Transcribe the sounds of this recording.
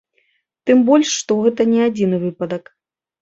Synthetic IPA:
t̪ɨmbɔlʲʂːt̪ɔɣɛt̪ɐnʲɛad͡zʲinɨvɨpɐd̪ɐk

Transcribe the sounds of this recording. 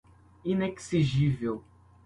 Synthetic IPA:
inɛksiʒivel

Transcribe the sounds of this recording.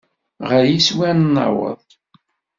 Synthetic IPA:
ʁæjiswænnːɑ̰wə̰ðˤ

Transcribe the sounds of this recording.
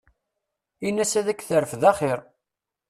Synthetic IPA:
inːæsæðækθəɾəfðɑχɪɾ

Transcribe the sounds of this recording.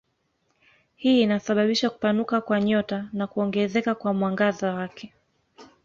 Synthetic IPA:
hiːinasaɓaɓiʃaku̥panukakwaɲɔtanakuɔŋɡɛzɛkakwamwaŋɡazawakʰɛ

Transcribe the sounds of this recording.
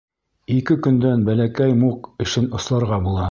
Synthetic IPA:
ikɘkɵ̆nd̪ænbælækæjmuqɘ̆ʃɘnŏslˠɑɾʁɑbulˠɑ

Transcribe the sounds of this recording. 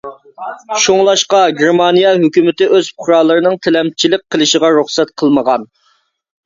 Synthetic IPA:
ʃoŋlˠɑʃqɑɡʲeɾmɑnijɛɦøkʲymɪt̪ɪʔøz̥pʰɾɑlˠəɾɨnɨŋt̪ʰɪlɛmt͡ʃʰilɪk̚ʲqʰːəlˠɨʃəʁɑɾuχsɛt̪̚qʰəlˠməʁɑn

